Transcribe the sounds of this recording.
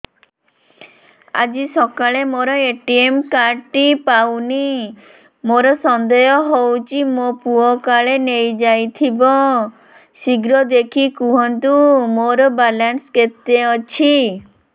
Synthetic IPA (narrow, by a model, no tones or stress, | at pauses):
a̰d͡ʒisɔkaɭemoɾɔeʈiemkaɾʈipawni | moɾɔsɔnd̪ɔjɔɦowt͡ʃʰimopuɔkaɭenejd͡ʒajt̪ʰibɔ | siɡɾɔd̪ekʰikuɦɔnt̪umoɾɔbalansket̪eɔt͡ʃʰi